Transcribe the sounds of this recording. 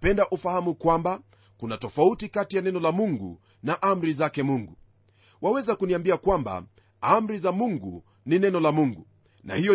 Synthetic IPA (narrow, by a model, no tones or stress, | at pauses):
pɛndaʔufahamukwamba | kunatɔfautikatijanɛnɔlamuŋɡṵ | naʔam̩ɾizakɛmuŋɡu | wawɛzakuniambiakwamba̰ | am̩ɾizamuŋɡu | ninɛnɔlamuŋɡu | na̰hijɔ